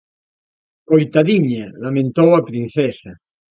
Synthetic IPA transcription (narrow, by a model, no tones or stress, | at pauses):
kojt̪aðiɲalamẽnt̪owapɾinθɛsa